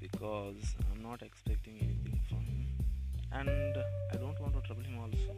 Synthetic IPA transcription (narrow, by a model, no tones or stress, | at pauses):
b̥ikʰɔːzã̰ɪ̃mnɔːʈekspɛk̚ʈĩŋenit̪ʰɪ̃ŋfɾɔ̃mhĩmæ̃ɳɖaɪɖõːɳʈʋɔ̃ːɳʈuʈɾɐbəlhɪ̃mɔːlso